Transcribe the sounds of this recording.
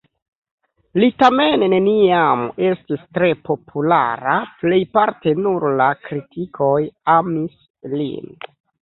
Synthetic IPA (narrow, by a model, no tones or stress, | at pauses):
litame̞nːe̞niame̞stistɾe̞po̞pʰula̰ɾaple̞jpaɾte̞nuɾlakɾitʰikʰo̞jamis | lḭn